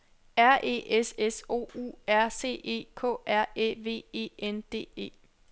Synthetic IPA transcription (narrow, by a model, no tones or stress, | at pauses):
æɐʔe̝̰ːʔeseso̝̰ːṵːæɐ̰se̝̰ːʔe̝̰ːkʰɔ̰̽ːʔæɐ̰ḛːʋe̝̰ːe̝̰ːend̥e̝̰ːe̝̰ː